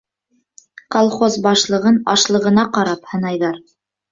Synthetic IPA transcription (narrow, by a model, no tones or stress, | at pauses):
qolˠχozbɑʃlˠɤ̆ʁɤnɑʃlˠɤ̆ʁɤ̆nɑqɑɾɑphɤ̆nɑjðɑɾ